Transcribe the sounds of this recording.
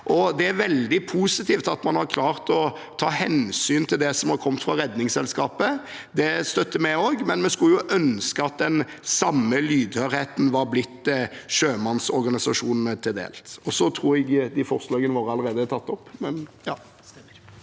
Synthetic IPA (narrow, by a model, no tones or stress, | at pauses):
ʔɔd̪ɛæɾʋɛld̪ɪpʰuːsɪt̪ʰiːft̪ɑt̪mɑnhɑɾkʰlɑːʁt̪ɔ | t̪ʰɑːhɛnsyːnt̪ʰɪld̪ɛsɔmhɑɾkʰɔmt̪fɾɑɾɛd̪nɪŋsɛlskɑːpəd̪ɛst̪œt̪ːəmæoːɡmɛnmɛskʉljʊʔœnskəɑt̪̚d̪ɛn | sɑmːəlyːd̪høːɾheːt̪n̩ʋɑɾblɪt̪ːʂøːmɑnsɔɾɡɑnɪsɑʂuːnn̩ət̪ʰɪld̪ḛːlt̪ɔsɔt̪ʰɾuːɾɛɡd̪ɪfɔɾslɑːɡənəʋoːɾəɑlːəɾeːd̪ət̪ʰɑt̪ːɔpːmɛnjɑ